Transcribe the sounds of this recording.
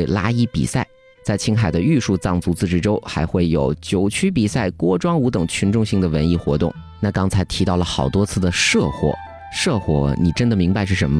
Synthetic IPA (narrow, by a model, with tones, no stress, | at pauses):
e˥˩ɪla˥i˥pḭ˨˩sa˥˩ɪ | t͡sa˥˩ɪt͡ɕʰi˥ŋxa˨˩ɪd̪ə˦y˥˧ʂu˥˧t͡sɑ˥˩ŋt͡su˧˥t͡sɹ̩˥˧ʈ͡ʂɻ̩˧˥ʈ͡ʂo˥ʊxa˧˥ɪxwe˥˩ɪjo̰˨˧˩ʊt͡ɕjo˧˥ʊt͡ɕʰy˥p̬i˨˩sa˥˩ɪkwɔ˥ʈ͡ʂwɑ˥ŋu˧˥t̪ɤ˨˩ŋt͡ɕʰy˧˥nʈ͡ʂʊ˥˧ŋɕi˥˩ŋd̪ə˩wə˧˥ni˥˩xwɔ̰˧˥t̪ʊ˥˩ŋ | na˥˩kɑ˥ŋt͡sʰa˧˥ɪt̪ʰi˧˥t̪ɑ˥˩ʊlə˩xɑ˨˩ʊt̪wɔ˥t͡sʰɹ̩˥˩d̪ə˩ʂɤ˥˧xwɔ̰˧˩ | ʂɤ˥˧xwɔ̰˧˥ni˨˩ʈ͡ʂə˥nd̪ə˨mi˧˥ŋba˧ɪʂɻ̩˥˩ʂə˧˥mə˧